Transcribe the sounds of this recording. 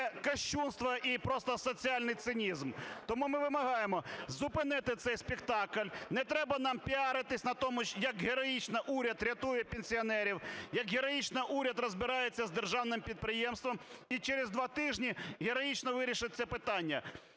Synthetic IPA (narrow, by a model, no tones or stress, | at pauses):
ɛkɐʃt͡ʃunst̪ʋɐʔipɾɔst̪ɔsɔt͡sʲiɑlʲnɪjt̪sɪnʲizmt̪ɔmumɪʋɪmɐɦɑjemɔzʊpɪnɪt̪ɪt̪sɛjsʲpʲɪkt̪ɑklʲnɛt̪ɾɛbɐn̪ɑmpʲiɑɾɪt̪ɪsʲnɐt̪ɔmʊʃʲjɐkɦeɾɔjit͡ʃnɐʔuɾʲɐd̪ɾʲɐt̪ujɛpʲenʲsʲiɔnɛɾʲiwjɐkɦeɾɔjit͡ʃnɪʔuɾʲɐd̪rɔzbɪɾɑjet͡sʲːɐzd̪erʒɑwnɪmpʲid̪̚pɾɪjɛmst̪ʋɔmit͡ʃeɾezd̪ʋɑt̪ɪʒnʲiɦeɾɔjit͡ʃnɔʋɪɾʲiʃɪt͡sʲːɐpɪt̪ɑnʲːɐ